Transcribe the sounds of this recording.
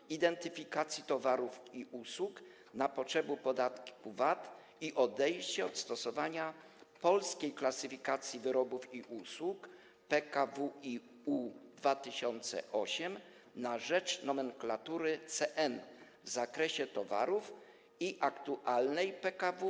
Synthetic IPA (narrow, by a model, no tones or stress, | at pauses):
id̪ɛnt̪ɘfʲikat̪sʲjit̪ɔvaɾufiʔuswuk | napɔtʂɛbupɔd̪at̪ki̥kuvat̪ | iʔɔd̪ɛjɕt͡ɕɛɔt̪st̪ɔsɔvaɲa | pɔlskʲejklasɘfʲikat̪sʲjivɘɾɔbufiʔuswuk | pɛkavui | ud̪vat̪ɘɕɔnt̪sɛ̰ʔɔɕɛm | naʐɛt͡ʂnɔmɛŋklat̪uɾɘt̪sɛʔɛn | vzakɾɛɕɛt̪ɔva̰ɾuf | iʔakt̪uʔalnɛjpɛkavu